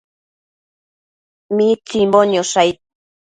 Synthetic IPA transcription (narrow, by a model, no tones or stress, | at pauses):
mit͡simboɲosajt̪̚